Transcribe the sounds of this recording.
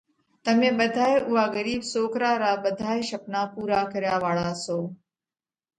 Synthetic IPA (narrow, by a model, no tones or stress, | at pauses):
t̪əmẽːɓəd̪ʱaːeʔʊɦaːɣəɾiːbsoːkɾaːɾaːbəd̪ʱaːeʃəpnaːpuːɾaːkəɾjaːʋaːɭaːsoː